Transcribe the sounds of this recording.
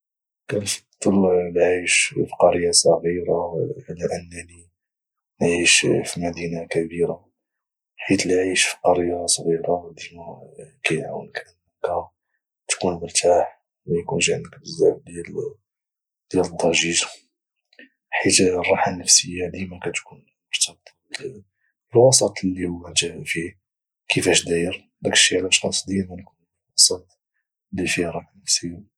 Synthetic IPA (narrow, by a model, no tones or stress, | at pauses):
kænfd̪ˤəllʕiʃfi̥qɑɾəjːasˤɑɣiɾaləʔənːæni | nʕiʃfimæd̪inakæbiɾa | ħit̪lʕiʃfi̥qɑɾəjːasˤɣiɾad̪əmækænʕa̰wə̰nkʔənːəkæ | t̪kunməɾt̪ʰaħ | wjkunʒaʕnəkbəzːaʕb̚d̪jæl | d̪̥jæləd̪ˤːɑʒiʒa | ħit̪rˤːɑħanəfsəjːad̪imækæt̪kun | mʊɾt̪ɑbt̪ʰˤɑə | əlwɑsˤɑt̪ˤlːihʊwːæt̪fi | kʰəfæʃd̪æjəɾ | d̪ækə̥ʃiʕlæʃxɑ̰sˤd̪imænkun | lwwɑsˤɑt̪ˤ | lːifihɾˤɑħanəfsəjːa